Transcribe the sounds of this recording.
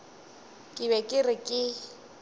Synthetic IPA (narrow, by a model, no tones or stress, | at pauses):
kʼɪβɛkʼɪrɪkʼɪ